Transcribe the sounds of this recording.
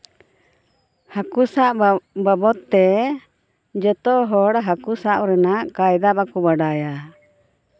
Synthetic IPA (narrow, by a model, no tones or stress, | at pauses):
hakusaʔbabɔt̪ːɛ | d͡ʒɔt̪ɔɦɔɽɦakusaʔɾɛnaʔkajd̪apakubaɖaja